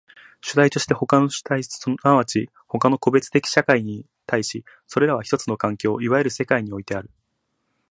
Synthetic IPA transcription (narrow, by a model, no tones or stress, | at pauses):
ɕɨd̪ait̪o̞ɕi̥t̪e̞ho̞kano̥t̪aisonaβat͡ɕi | ho̞kano̞ko̞be̞t͡sɨ̥t̪e̞kʲi̥ɕakaiɲ̟i | t̪aiɕi | so̞ɾe̞ɾaβ̞açi̥t̪o̞t͡sɨno̞kãŋkʲo̞ːiβae̞ɾɯ̟se̞kaiɲ̟io̞it̪e̞aɾɯ̟